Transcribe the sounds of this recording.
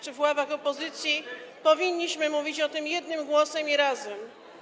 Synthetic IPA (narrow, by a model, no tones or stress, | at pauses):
t͡ʂɘvwavaxɔpɔzɘt̪sʲjipɔvʲiɲːiɕmɘmuvʲit͡ɕɔt̪ɘmjɛd̪nɘmɡwɔsɛmiɾazɛm